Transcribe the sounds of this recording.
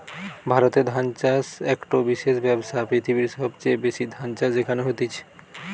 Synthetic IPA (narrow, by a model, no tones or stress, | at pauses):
bʱaɾot̪ed̪ʱant͡ʃasɛkʈobiʃeʃbɛbsapɾit̪ʰibiɾʃɔbt͡ɕebeʃid̪ʱant͡ʃad͡ʑekʰanoɦot̪it͡ɕʰe̥